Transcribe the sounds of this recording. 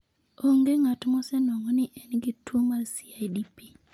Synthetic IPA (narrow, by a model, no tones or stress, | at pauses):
oŋɡeŋatmɔsɛnɔŋɔnɪʔɛnɡɪtwomalsiajdipi